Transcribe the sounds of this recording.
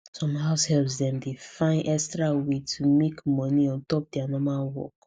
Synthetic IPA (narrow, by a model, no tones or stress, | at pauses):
sɔ̃mɦaʊshɛlsdɛ̃mdefãɪ̃nʔɛkstɹawetʰumekmɔniɔ̃ntɔp̚dɛanɔmalwɔ̰k